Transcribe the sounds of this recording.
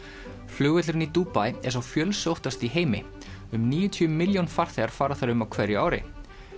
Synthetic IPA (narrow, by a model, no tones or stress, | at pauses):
flʏɣvɛt̪lʏɾɪnit̪uːpajɛɾ̥sawfjœːlsowht̪ast̪iɦeːjmɪ | ʏmniːjʏt̪ʰyʏmɪljownfar̥θɛɣaɾ̥faːɾaθaɾʏmawkʰvɛɾiaːwɾɪ̰